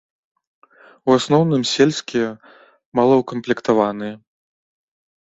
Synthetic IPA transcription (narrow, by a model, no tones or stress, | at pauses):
uasnɔwnɨmsʲelʲsʲkʲijɛ | malˠɐwkɐmplʲikt̪avanɨjɐ